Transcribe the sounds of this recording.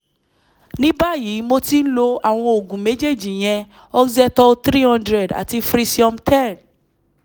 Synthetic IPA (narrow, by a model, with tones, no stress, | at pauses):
nĩ˦ba˦˨ji˨˦mo˦ti˦lo˧a˨w̃ɔ̃˧o˨ɡũ˨me˨˦d͡ʒe˦˨d͡ʒi˨j̃ɛ̃˧ | ɔ˦zɛ˦tɔ˧t̪ɾi˦hɔ̃˦ndɾɛ˨da̰˨ti˧fɾi˧si˦ɔ̃˧mtʰɛ˦˨n